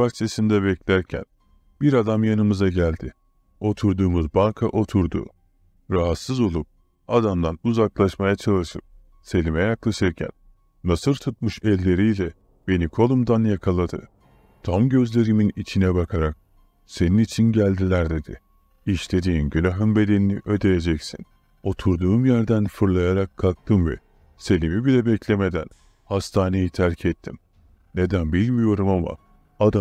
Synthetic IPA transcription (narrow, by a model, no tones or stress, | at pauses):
baxt͡ʃʰe̞sind̪ɛβɛclʲæɾcʰæ̰n | biɾad̪amjanɯmɯzaɟælʲd̪ɪ | o̞t̪ʰuɾd̪uːmuzbalˠkʰaʔo̞t̪ʰuɾd̪ṵ | ɾaɦat̪sɯzo̞lˠup̚ | ad̪amd̪anuzaklˠaʃmajat͡ʃʰalˠɯʃɯp̚ | se̞lʲimɛjaklˠaʃɯɾcʰæ̰nː | asɯɾt̪ʰut̪̚mɯʃɛlʲːe̞ɾijlʲɛ | be̞nikʰo̞lˠumd̪anjakʰalˠad̪ɯ̰ | t̪ʰamɟø̞zlʲe̞ɾiminit͡ʃʰinɛbakʰaɾak̚ | se̞ninit͡ʃʰinɟælʲd̪ilʲæɾd̪e̞d̪ḭ | iʃle̞d̪iːnɟylʲaɦɯnbe̞d̪e̞niniʔø̞d̪e̞jed͡ʒɛcsḭn | o̞t̪ʰuɾd̪uːmjæɾd̪ænfɯɾlˠajaɾakʰːak̚t̪ʰɯmvɛ̰ | se̞lʲimibilʲɛbɛclʲeme̞d̪æn | hast̪ʰaːne̞jit̪ʰæɾcʰɛt̪ʰːim | ne̞d̪ænbilʲmijo̞ɾumama̰ | ad̪a